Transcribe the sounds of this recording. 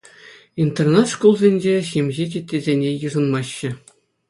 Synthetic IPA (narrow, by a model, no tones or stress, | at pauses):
int̪ernɑt̪ʂkulˠzʲenʲd͡ʑeɕimʲʑet͡ɕʲetʲːezʲenʲejɯʐɤ̆nmɑɕːɘ̆